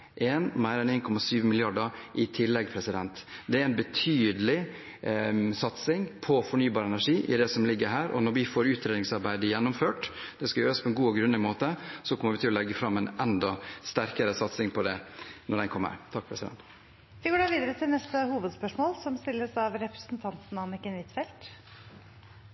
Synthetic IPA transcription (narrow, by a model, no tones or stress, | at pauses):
ʔɛːnmæɪɾɛneːnkʰɔmɑsyːʋəmɪlɪɑɖəɾʔɪt̪ʰɪlːɛɡpʰɾɛsɪd̪ɛnt̪d̪ɛæɾɛnbət̪ʰyːd̪əlɪ | sɑt̪sɪŋpʰɔfɔɳyːbɑːɾəɛnæʂiːʔɪ̰d̪ɛsɔmlɪɡːəɾɦæːɾɔ̰nɔɾʋɪfoːɾʉːt̪ʰɾeːd̪ɪŋsɑɾbæɪd̪əjɛnːʊmføːʈ | d̪̥ɛskɑjøːɾəspʰɔɛnɡuːɡɾʉnəɪmoːt̪əsɔkʰɔmːəɾʋɪt̪ʰɪlɔlɛɡːəfɾɑmːɛnɛnd̪ɑst̪æɾkəɾəsɑt̪sɪŋpʰɔd̪ɛnɔɖɛnkʰɔmːə̰ɾt̪ʰɑk̚ːpʰɾɛsɪd̪ɛ̰nt̪ | ʋɪɡoːɖɑːʋiːd̪əɾət̪ʰɪlnɛst̪əhuːʋəd̪spœʂmoːlsɔmst̪ɪlːəsɑʋɾɛpɾə̥sn̩t̪ʰɑnt̪n̩ɑnɪkːənʋɪt̪fɛlt̪